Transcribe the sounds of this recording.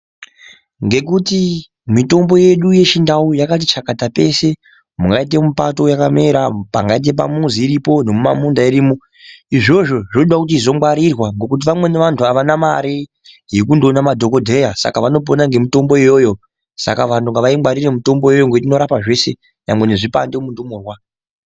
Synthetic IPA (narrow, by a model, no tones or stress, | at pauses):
ŋɡe̞kuti | mito̞mbo̞je̞ɗuje̞t͡ʃindaujakat̬it͡ʃakatape̞se̞ | muŋɡait̬e̞mupato̞jakame̞ɾapa̰ŋɡait̬e̞p̬a̰munziːɾipo̞ne̞mumamundaiɾiːmo | iʐo̞ʐo̞ʐnoɗwakut̬iizo̞waɾirwaŋɡo̞kut̬iʋamwe̞ne̞ʋantʰuaʋanama̰ɾe | jekundonamadʱo̞ko̞dʱe̞jasa̰kaʋano̞p̬o̞naŋɡe̞mito̞mbo̞ijo̞ːjo | sa̰kaʋantʰuŋɡaʋaimɡwaɾire̞mito̞mbo̞jo̞joŋɡo̞tino̞ɾapaʐe̞se̞ | jamwe̞neʐipa̰ndemundomurwa